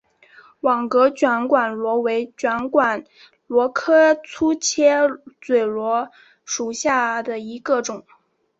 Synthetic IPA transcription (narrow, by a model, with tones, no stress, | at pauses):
wɑ˨˩ŋkɤ˧˥t͡ɕɥa˧˥nkwa˨˩nlwɔ˧˥we˧˥ɪt͡ɕɥa˧˥nkwa˨˩n | lwɔ˧˥kʰɤ˥t͡sʰu˥t͡ɕʰjɛ˥t͡swe˨˩ɪlwɔ˧˥ | ʂu˨˩ɕja˥˩d̪ə˩i˧˥ɡə˧ʈ͡ʂʊ˨˩˦ŋ